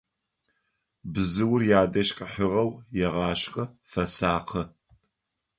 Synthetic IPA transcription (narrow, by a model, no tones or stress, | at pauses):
bɨzɨwʊrjaːdɐʃkʼɐħəʁɐwjɛʁɑːɕxʼɐfɐsaːqʰɐ